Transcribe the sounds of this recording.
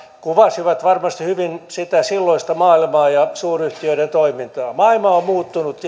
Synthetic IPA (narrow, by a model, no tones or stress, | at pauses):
kuʋɑsiʋɑt̪ʋɑrmɑst̪ihyʋinsit̪æsilːoist̪ɑmɑːilmɑːjɑsuːryht̪iøiɾent̪oimint̪ɑːmɑilmɑommuːt̪ːunut̪